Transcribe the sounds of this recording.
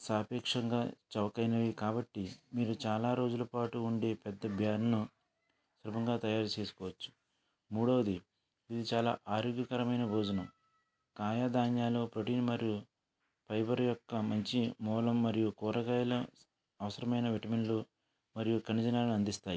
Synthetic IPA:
saːpɛːkʂɐŋɡa̰ːt͡ʃɐʋɐkɐjnɐʋikaːbɐʈːimiːɾut͡ʃaːlaːɾo̞ːd͡ʒulɐpaːʈuːɳɖe̞ːpɛd̪ːɐbʱjaːnɐnu | sɾɐbʱɐŋɡaːt̪ɐjaːɾut͡ʃe̞ːsu̥kɔːʋɐt͡ʃːu̥ | muːɽɐʋɐd̪i | id̪it͡ʃaːla̰ːʔaːɾoɡjɐkɐɾɐmɐjnɐboːd͡ʒɐnɐm | kaːjaːd̪aːɲjaːloːpɾoʈiːnmɐɾiju | pʰɐjbɐɾjɔkːɐmɐɲt͡ʃimɔːlɐmːɐɾijukɔːɾɐɡaːjɐlɐ | ɐʋɐsɐɾɐmɐjnɐʋiʈɐmeɳlu | mɐɾijukɐnid͡ʒɐnaːlɐniɐnd̪ist̪aːji

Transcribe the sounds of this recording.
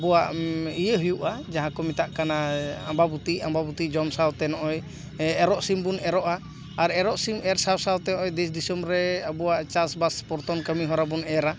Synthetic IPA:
bɔwaʔijeɦujuʔad͡ʒaɦãkɔmit̪aʔkanaambabut̪iʔambabut̪id͡ʒɔmsawt̪ɛnɔʔɔj | ɛɾɔʔsimbunɛɾɔʔaː | ɾɛɾɔʔsimɛɾsawsawt̪ɛnɔʔɔjd̪ɛsd̪isɔmɾɛabɔwaʔt͡ʃasbaspɔɾt̪ɔnkəmiɦɔɾabunɛɾa

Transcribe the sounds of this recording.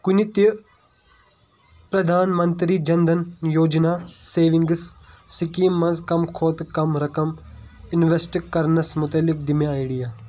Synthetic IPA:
kunit̪i | pɾɐd̪ʱaːnmɐ̃nt̪ɾid͡ʒɐnd̪ɐnjoːd͡ʒnaːseːʋĩŋɡssikiːmːɐnzkɐmkʰoːt̪kɐmɾɐkɐmɪnʋesʈkɐɾnɐsmʊt̪ɐlːɪk̚d̪imeiɽijaː

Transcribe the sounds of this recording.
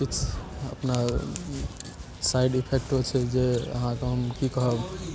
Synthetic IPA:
kit͡ʃʰə̰pna | sajɖipʰek̚ʈot͡ʃʰɛd͡ʒeə̰ɦãkeɦəmkikəɦəb

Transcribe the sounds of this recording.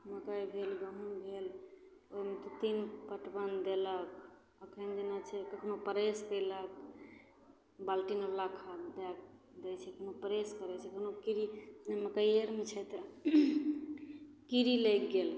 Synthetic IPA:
məkajbʱelɡəɦunbʱel | oimet̪ɔt̪inpəʈbənd̪elək̚ | əkʰənd͡ʒenat͡ʃʰɛkəkʰnopəɾeskəjlək̚ | balʈinəlakʰad̪ak̚ | d̪ɛt͡ʃʰɛkənopəɾeskəɾɛt͡ʃʰɛkəkʰnokiɾinɛməkajeɾmet͡ʃʰɛt̪ | kiɾilekɡel

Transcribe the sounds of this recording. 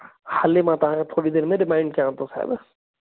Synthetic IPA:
hɐlemãt̪ɐʋ̤ãket̪ʰoːɽid̪eːɾmẽɾɪmãːɪ̃ɳɖ̚kijãʋə̃t̪osa̰ɦɪ̰b

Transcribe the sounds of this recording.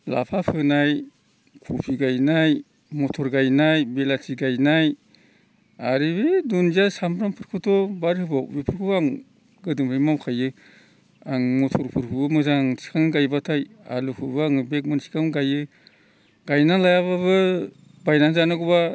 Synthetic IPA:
la̰pʰapʰɯnaj | kʰupʰiɡajnaj | mɔtʰɔɾɡajnajbelatʰiɡajnaj | aɾibedunziasamɾampʰɯɾkʰɯtʰɔbaɾhɯbabipʰɯɾkʰɯbaŋ | ɡɯdɯmʰɯjmawkʰajɯ | aŋmɔtʰɔɾpʰuɾkʰɯbɯmɯzaŋsi̥kʰaŋɡajbatʰaja̰lukʰɯbaŋɯbek̚mɯnsi̥kʰaŋɡajɯ | ɡ̥ajnalajaβaβɯ | bajnazanɯɡɔba

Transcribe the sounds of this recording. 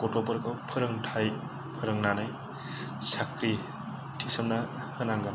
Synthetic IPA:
kɔtɔpɔɾkʰɯwpʰɯɾɯŋtʰaj | pʰɯɾɯŋnanɯj | sakʰɾi | tʰisɯmna | hɯnaŋɡam

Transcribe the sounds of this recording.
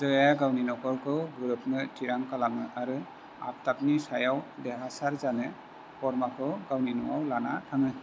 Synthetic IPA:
zɔjaɡawninɔkɔɹkʰɯwɡuɾɯpnɯtʰiɾaŋkalamɯʔaɾɯ | a̰p̚tap̚nisajawdɛɦasaɾzanɛ | pɔɾmakʰɯwɡawninɔwawlanatʰaŋɯ

